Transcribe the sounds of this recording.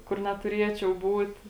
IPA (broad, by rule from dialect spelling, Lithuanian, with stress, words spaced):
kʊr nʲɛtʊˈrʲiɛt͡ʃʲɛʊ ˈbuːt